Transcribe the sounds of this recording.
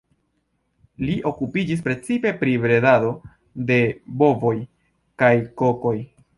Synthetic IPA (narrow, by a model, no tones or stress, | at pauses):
liʔo̞kupid͡ʒis̬pɾe̞t͡sipe̞pɾibɾe̞dado̞ | de̞bo̞vo̞j | kajko̞ko̞j